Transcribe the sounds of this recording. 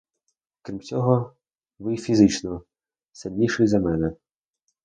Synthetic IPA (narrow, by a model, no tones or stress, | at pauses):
kɾʲimt͡sʲɔɦɔ | ʋɪjfʲizɪt͡ʃnɔ | sɪlʲnʲiʃɪjzɐmɛnɛ